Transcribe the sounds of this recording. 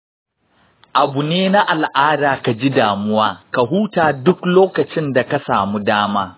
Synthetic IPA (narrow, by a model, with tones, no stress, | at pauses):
ʔa˨bu˨neː˦na˦ʔa˨lʔaː˦daː˨ka˨d͡ʒi˦daː˨mʊ˦waː˦ka˨ɦuː˦taː˨dʊ˦kloː˦kɐ˨t͡ʃɪ˦nda˨ka˦saː˨mu˦daː˦maː˦